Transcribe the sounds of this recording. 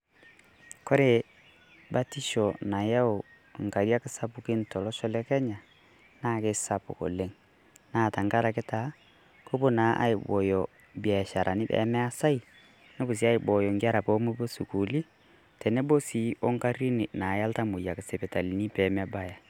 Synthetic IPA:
kɔ˦ɾe˨ | ba˦ti˦ʃɔ˨na˨ja˦o˨ | ŋ̩˨ka˨ɾi˦a˦kɪ˦sa˦pu˨kɪ˦ntɔ˨lɔ˦ʃɔ˦lɛ˦kɛ˦ɲa˨ | na˦kɪ˦sa˦pṵ˨ko̰˨le˦ŋ | na˦˨ta˨ŋɡa˦ɾa˨kɪ˦ta˨˦ | ko˦bo˦na˨˦ʔa̰˦i˨bɔ̰˨jɔ˨ | bi˨a˨ʃa˨ɾʔa˨nɪ˦bɛ̰˨˦mɛ˦a˦sa˦i˨ | nɛ˦bo˨s̬i˨˦a˦i˨bɔ˨jɔ˨ŋɡa˦ɾa˨pɔ˦mu˦bo˦su˨ku˨li˦ | tɛ˨nɛ˦bo˦si˨˦o˦ŋka˦ɾi˦ni˨na˨ja˦lta˦mo˨ja˨kɪ˨sɛ˨pɛ˨ta˨li˨ni˦pɛ˨mɛ˦ba˦ja˨

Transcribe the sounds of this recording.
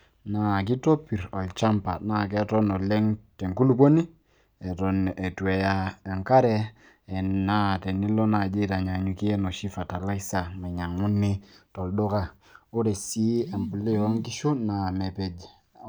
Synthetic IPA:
na˨k̬i˦to˦pi˨ɾɔ˨lt͡ʃa˦mpa˨na˨k̬ɛ˦tɔ˦nɔ˨lɛ˦ŋtɛ˨ŋku˦lu˦po˦ni˦ | ɛ˨tɔ˨nɛ˨twɛ˨ja˦ɛ˨ŋka˦ɾɛ˦ | ɛ˨na˦tɛ˨ni˦lɔ˦na˨d͡ʒe˦ta˨ɲ˨a˨ɲu˨ki˦ɛ˦nɔ˨ʃi˦fa˨ta˨la˦isa˨ma˨ɲa˨ŋʊ˦ni˦tɔ˨ldo˦ka˦ | o˦ɾɛ˨si˦a˨mpu˨li˦˨ɔ˦ŋki˦ʃu˦na˨mɛ˨pɛ˨d͡ʒ

